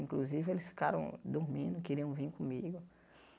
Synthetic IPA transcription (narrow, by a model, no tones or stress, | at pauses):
ĩkluzivɪelɪsfi̥kaɾɐ̰̃w̃d̪uɾmĩnd̪ʊkiɾiɐ̃w̃vĩkõmiɡʊ